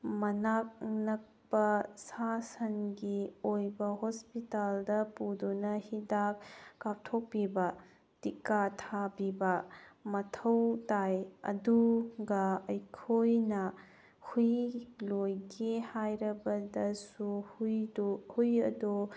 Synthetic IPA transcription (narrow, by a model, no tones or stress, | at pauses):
mɐnak̚nɐk̚pɐsasɐnɡiojbɐhospitaldɐpudunɐhidak̚kːap̚tʰok̚pibɐ | tikatʰabibɐmɐtʰɐwtajɐ̰duɡɐɐjkʰojnɐ | hujlojɡehajɾɐbɐdɐsudhujɐ̰du